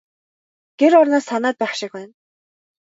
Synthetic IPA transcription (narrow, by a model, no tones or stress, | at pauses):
ɡ̥eɾʊrnaːsanaːt̪̚pæːχʃɪ̆k̚wæːn